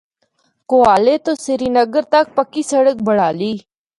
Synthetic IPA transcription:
koːaːleːt̪oːseɾiːnəɡəɾt̪ɐk̚pəkiːsəɽək̚bəɽ̤aːliː

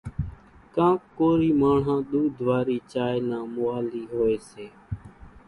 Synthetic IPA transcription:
kãːkːoːɾiːmaːɳɦãːɗ̪uːd̪ʱʋaːɾiːt͡ʃaːeːnãːmʊaːliːɦoːeːseː

